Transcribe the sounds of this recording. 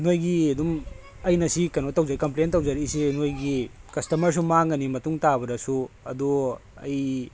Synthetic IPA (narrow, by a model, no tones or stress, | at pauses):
nojɡiɐdum | ɐjnɐsikɐnotːɐwzɐɾikɐmplentɐwzɐɾisenojɡikɐstɐmɐɾs̬umaŋɡɐnimɐtuŋtabɐdɐsuɐ̰duɐ̰j